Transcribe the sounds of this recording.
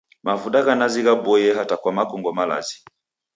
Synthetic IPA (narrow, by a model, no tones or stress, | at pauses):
mavudaɣanaziɣabɔjɛɦatakwamakɔŋɡɔmala̰zi